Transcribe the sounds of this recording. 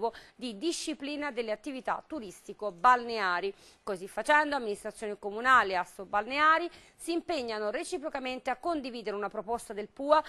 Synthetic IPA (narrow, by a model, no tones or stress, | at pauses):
vod̪id̪iʃːipliːnad̪elːeat̪ːivit̪a̰t̪ːuɾist̪ikobalneaːɾi | kozifːat͡ʃɛnd̪oamːinist̪ɾat̪sjoːnikomunaːleasobalneaːɾi | siːmpeɲːanoɾet͡ʃipɾokament̪eakːond̪iviːd̪eɾeunapɾopost̪ad̪elpuːa